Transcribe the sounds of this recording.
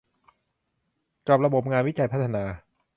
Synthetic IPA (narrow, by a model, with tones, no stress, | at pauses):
kaː˨˩p̚ɾa˧bo˨˩p̚ŋaː˧nwi˦˥t͡ɕa˨˩jpʰa˦˥t̪ʰːa˧naː˧